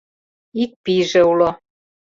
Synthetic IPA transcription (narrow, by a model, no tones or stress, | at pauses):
ik̚piʒeulo